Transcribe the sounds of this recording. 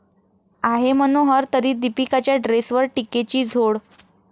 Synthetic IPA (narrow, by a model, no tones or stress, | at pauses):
aɦemənoɦəɾt̪əɾiːd̪ipikat͡ɕjaɖɾesʋəɾʈiket͡ɕiːd͡zʱoɽ